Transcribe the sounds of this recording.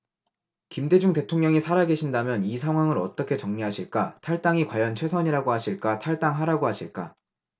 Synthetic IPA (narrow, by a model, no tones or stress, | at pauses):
kimde̞d͡ʑuŋte̞tʰoŋɲʌŋisʰaɾaɡe̞ɕʰindamjʌnis̬ʰaŋɦwaŋɯɾʌ̰t͈ʌkʰe̞t͡ɕʌŋɲiɦaɕʰiɭk͈atʰaɭt͈aŋikwajʌnt͡ɕʰwe̞sʰʌɲiɾaɡoɦaɕʰiɭk͈atʰaɭt͈aŋɦaɾaɡoɦaɕʰiɭk͈a̰